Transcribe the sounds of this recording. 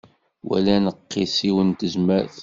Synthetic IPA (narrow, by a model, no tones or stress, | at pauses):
wʔæ̰lænəqːisiwənt̪əzməɾθ